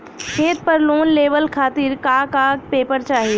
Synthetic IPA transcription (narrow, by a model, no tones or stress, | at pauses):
kʰeːt̪̚pɐɾloːnleːʋəlkʰaːt̪iɾkaːkaːk̚peːpəɾt͡ʃaːɦiː